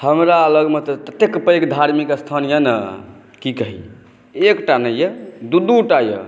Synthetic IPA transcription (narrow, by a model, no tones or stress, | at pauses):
həmɾaələɡmet̪əp̪ət̪ekpəekd̪ʱaɾmikəst̪ʰanijənə̰ | kikəɦḭ | ekʈanəjed̪ud̪uʈajə̰